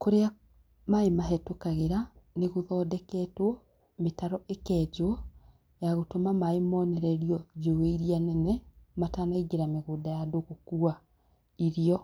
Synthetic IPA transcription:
koɾea | maemaɦɛtokaɣeɾaneɣoðɔːdɛkɛtwɔ | metaɾɔʔekɛːd͡ʒo | jaɣotomamaemɔːnɛɾɛɾiɔd͡ʒoeiɾianɛnɛmatanaiɡeɾameɣoːdajadoɣokua | iɾiɔ

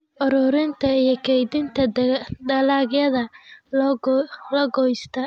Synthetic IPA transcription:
ʔɔɾɔːɾɪnt̪ʰɐijɞkʰɛjd̪ɪnt̪ʰɐd̪ɐlaːɡjɐðɐ | lɐɡɔjst̪ʰɐ

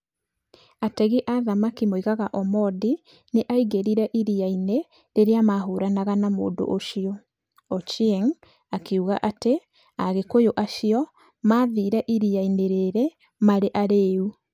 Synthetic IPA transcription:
atɛɣiʔaðamakimoiɣaɣaʔɔmɔdi | neʔaiɣeɾiɾɛʔiɾiaine | ɾeɾeamaɦoɾanaɣanamo̰ːndo̰ʔoʃiɔ | ɔt͡ʃieŋ | akeuɣaʔate | aɣekojoʔaʃiɔ | maðiːɾɛʔiɾiaineɾeɾɛ | maɾeʔaɾeu

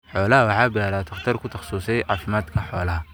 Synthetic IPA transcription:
ħɔːlɐɦɐwɑħɑːbɪlaːɾaːt̪ʰɐχt̪ʰɐrkʰʊt̪ʰɐχsuːsɛjʕɑːfɪmaːd̪kʰɐħɔːlɐɦɐ

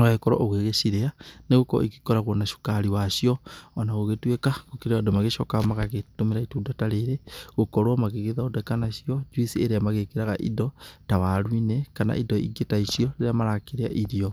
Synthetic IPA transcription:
aekɔɾɔ̰ʔoɣweɣeʃiɾeaneɣokɔ̰iki̥kɔɾaɣonaʃu̥kaɾiwaʃiɔɔnaɣoɣetwekaɣokiɾeadomaɣeʃɔkamaɣaɣetomeɾaituːdataɾeɾeɣokɔɾwɔmaɣeɣeðaodɛkanaʃiɔd͡ʒwisieɾeamaɣekeɾaɣaʔḭdɔtaβaɾwinɛkana̰ʔidɔiɡetaiʃiɔeɾeamaɾakeɾea̰ʔiɾiɔ

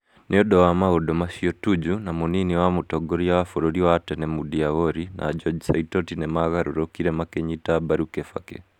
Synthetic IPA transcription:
neodowamaodomasiotud͡ʒunamuniniwamutoɡoɾiaafoɾoɾiwatɛnemudiaβoɾinʔa̰d͡ʒɔd͡ʒsaitotinemaɣaɾoɾokiɾemakeɲitabaɾukefa̰kḛ

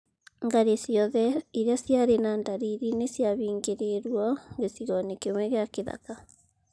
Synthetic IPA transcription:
ŋɡaɾesjɔðɛiɾeasjaɾenandaɾiɾinesjaβiːŋɡeɾeɾwɔɡesiɣɔnekemwɛɣeakeða̰ka

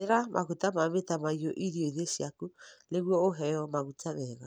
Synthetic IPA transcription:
eɾamʔa̰ɣutamaβetamaiɔʔiɾioiðesjakuleɣwɔoɦɛjɔmaɣut͡ʃaβɛɣa

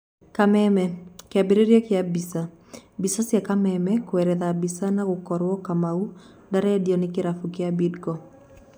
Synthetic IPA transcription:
kamɛmɛkɪabeɾeɾiɔkɪabisa | bisasjakamɛmɛkwɛɾɛðabisanaɡʊkɔɾwɔkamau | daɾɛdjɔnɪkɪɾafukɪabidɡɔ

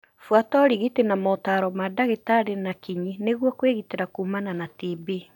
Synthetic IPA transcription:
fwatɔɾiɣitenamɔtaɾɔmadaɣetaɾenakiɲineɣwɔkweɣiteɾakuːmananatibi

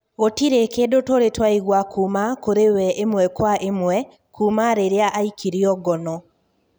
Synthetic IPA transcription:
otiɾekedotoɾetwaiɣwakʰuːmakoɾewɛʔemwɛkwaʔemwɛ | kʰuːmaɾeɾeaʔaikʰiɾiɔɡɔnɔ

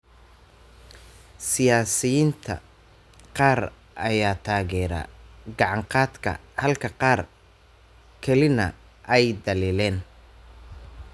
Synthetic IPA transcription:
sɪjaːsɪjiːnt̪ʰɐ̰ | qɑːr | ʔɐjaːt̪ʰaːɣɛːɾa̰ːɡɑʕɑɴqɑːd̪kʰɐ̰hɐlkʰɐqɑːr | kʰɛlɪnɐ̰ | ʔɛjd̪ɐliːlɛːn

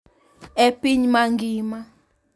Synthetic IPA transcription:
epʼiɲimaŋɡʱiːma

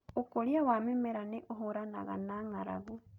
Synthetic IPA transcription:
okoɾiawamemɛɾaneʔoɦoɾana̰ɣa̰naŋaɾa̰ɣu

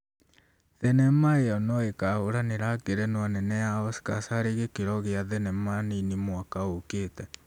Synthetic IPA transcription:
ðɛnɛmaeɔnɔekaoɾaneɾakeɾɛnwanɛnɛaɔsi̥kasaɾeɣekeɾɔɣeaðɛnɛmaninemwakaokeːtɛ

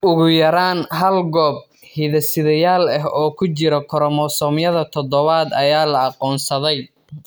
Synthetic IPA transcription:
ʔʊɣʊjɐɾaːnɦɐlɡɔːb̚ | hiðɐsɪðɐjaːlɛɦɔːkʰʊt͡ʃɪɾɔkʰɔɾɔmɔsɔːmjɐðɐt̪ʰɔd̪ɔβaːd̪ɐjaːlɐɑqɔːnsɐðɛj

